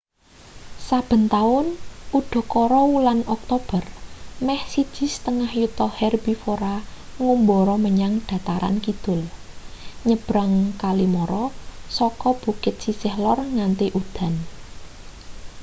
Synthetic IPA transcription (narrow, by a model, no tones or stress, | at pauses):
sab̥ə̤nt̪aʊnuɖ̪̥ɔ̤kɔɾɔwulanɔk̚t̪ob̥ərmɛhsid̥ʒ̥i̤st̪əŋahjut̪ɔhɛrbifoɾaŋumbɔɾɔməɲaŋɖ̥ä̤t̪aɾa̰nkid̪̥ʊ̤l | ɲəb̥ɾaŋkalimɔɾɔsɔkɔb̥ṳkɪt̪̚sisɪhlɔrŋant̪eʔud̪̥a̤n